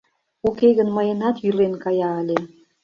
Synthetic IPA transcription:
ukeɣənməjənɑt̪jylenkɑjɑəlʲe

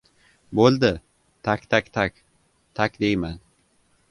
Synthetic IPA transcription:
bolˠd̪ɪ | t̪ʰakʲt̪ʰakʲt̪ʰakʲ | t̪ʰakʲd̪ejman

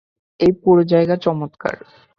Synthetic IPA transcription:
ejpuɾod͡ʑaeɡat͡ɕɔmot̪ka̰ɾ

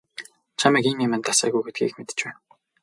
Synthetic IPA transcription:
t͡ɕʰamikimimæ̆nt̪asa̰ːɣujɡet̪̚ɡḭːkmet̪ɘ̥̆t͡ɕpæːn

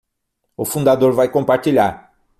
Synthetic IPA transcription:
ʊfũnd̪ad̪oɾvajkõmpaɾt͡ʃiʎaɾ

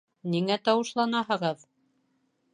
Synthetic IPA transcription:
niŋæt̪ɑwɤ̆ʃlˠɑnɑɦɤ̆ʁɤð

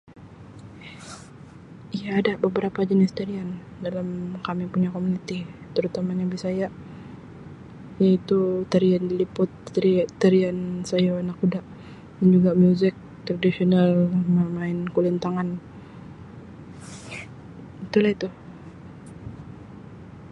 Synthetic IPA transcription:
ijaːdabəbəɾapad͡ʒənɪst̪aɾiandalamkamipuɲakomunit̪it̪əɾut̪amanabisaja | jait̪ut̪əɾiandilipʊt̪t̪ːəɾiansajaanakudaʔ | dand͡ʒuɡamjuzɪk̚ | t̪ɾadisionalməmaɪnkulint̪aŋan | it̪ulahit̪u

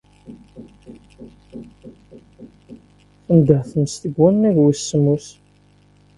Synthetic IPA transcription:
θənd̪əʕθəməst̪əɡːænːæʝwisːəmus

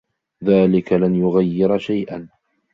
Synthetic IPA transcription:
ðaːlɪkalanjʊɣajːɪɾʃajʔan

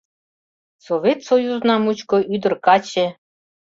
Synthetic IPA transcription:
sovʲet̪sojuznɑmut͡ɕkoʔyd̪ə̆rkɑt͡ɕĕ

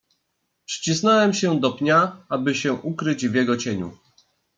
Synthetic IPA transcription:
pʂt͡ɕisnɔwɛmɕɛd̪ɔpɲaabɘɕɛʔukɾɘd͡ʑvʲjɛɡɔt͡ɕeɲṵ

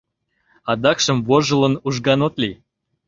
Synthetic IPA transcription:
ɑd̪ɑkʃə̆mvoʒə̆lɤ̆nuʒɡɑnot̪li

